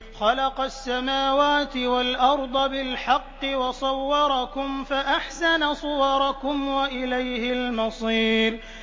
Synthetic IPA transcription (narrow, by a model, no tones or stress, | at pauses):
xɑlɑqɑsːamaːwaːt̪ɪwalʔɑɾˤd̪ˤɑbɪlħɑqːɨwɑsˤɑwːɑɾˤɑkʊmfaʔaħsanasˤʊwɑɾˤɑkʊmwaʔɪlajhɪlmɑsˤiːɾ